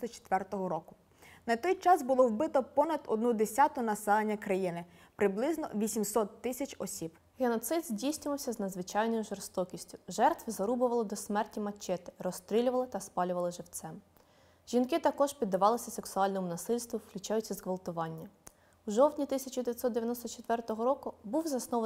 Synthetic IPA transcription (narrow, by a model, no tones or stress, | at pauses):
lˠɔt͡ʃe̥t̪ʋɛrt̪ɔɦɔɾɔkʊ | nɐt̪ɔjt͡ʃɑsbʊlˠɔwbɪt̪ɔpɔnɐd̪ɔ̰d̪nud̪esʲɑt̪ʊnɐsɛlˠenʲːɐkɾɐjinɪ | pɾɪblˠɪznɔ̰ʋʲisʲimsɔt̪ːɪsʲɐt͡ʃʲɔsʲib | ɦenɔt̪sɪd̪zʲdʲijsʲnʲʊʋɐwsʲɐznɐd̪zʋɪt͡ʃɑjnɔjʊʒɔrst̪ɔkʲisʲtʲʊ̥ʒɛrt̪ʋɪzɐɾubʊʋɐlˠɔd̪ɔsmɛrtʲimɐt͡ʃːɛt̪ɪ̥rɔst̪ɾʲilʲʊʋɐlˠɪt̪ɐspɑlʲʊʋɐlˠɪʒɪwt̪sɛm | ʒ̥ʲinkɪt̪ɐkɔʒpʲid̪ːɐʋɑlˠɪsʲɐseksʊɑlʲnɔmʊnɐsɪlʲst̪ʋʊwklʲʉt͡ʃɑjʊt͡sʲːɐzɣʋɐlˠt̪ʊʋɑnʲːɐ | uʒɔwt̪ʲnʲit̪ɪsʲɐt͡ʃʊd̪eʋʲjɐt̪sɔt̪d̪eʋjɐnɔst̪ɔt͡ʃet̪ʋɛrt̪ɔɦɔɾɔkʊbuwzɐsnɔʋ